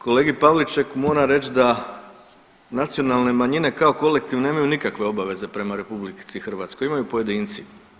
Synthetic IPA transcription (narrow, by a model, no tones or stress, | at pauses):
ko̞le̞ːɡipaʋlit͡ʃekmo̞ːɾaɾe̞t͡ʃd̪a | nat̪sio̞nalˠne̞maɲine̞kao̞ko̞le̞kt̪iʋneːmajunikakʋe̞o̞baʋe̞ze̞pɾe̞maɾe̞publikt̪sixr̩ʋaːt̪sko̞jimajupoje̞d̪int̪si